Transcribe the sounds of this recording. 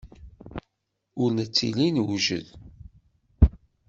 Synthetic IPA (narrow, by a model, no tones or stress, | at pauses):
ʊɾnət͡sːḭlinwʒə̰ð